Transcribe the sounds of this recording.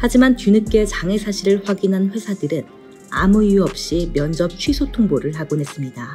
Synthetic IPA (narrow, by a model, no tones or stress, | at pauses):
had͡ʑimant͡ɕunɯk͈e̞t͡ɕaŋe̞sʰaɕʰiɾɯɭɸwaɡinɦanɸwe̞sʰadɯɾɯn | a̰muijuʌp̚ɕ͈imjʌnd͡ʑʌp̚t͡ɕʰɥisʰotʰoŋboɾɯɭɦaɡonɦe̞s͈ɯmɲida